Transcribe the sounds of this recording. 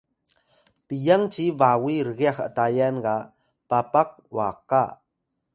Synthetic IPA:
pijaŋt͡ʃivawiɾəɣiaxə̰tajanɡa | papak̚wa̰ka

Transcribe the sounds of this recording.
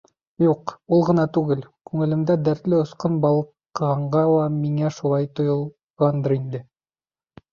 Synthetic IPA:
juqulˠʁɤ̆nɑt̪ʉɡɘlkʉŋɘ̆lɘ̆md̪æd̪æɾt̪lɘŏsqɤnbɑlˠ | ʁɑɴɢɑlˠɑmiŋæʃulˠɑjt̪ŏjɤ̆lˠ | ʁɑnd̪ɤɾind̪ɘ

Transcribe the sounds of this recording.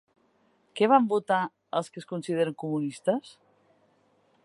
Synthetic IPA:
kɛβambut̪a | əlˠskəskunsið̞eɾəŋkumunist̪əs

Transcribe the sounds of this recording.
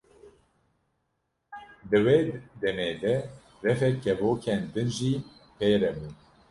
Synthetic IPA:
d̪ɨweːd̪ɛmeːd̪ɛ | rɛfɛkːɛvoːkʰɛnd̪ɨnʒiː | pʰeːɾɛmun

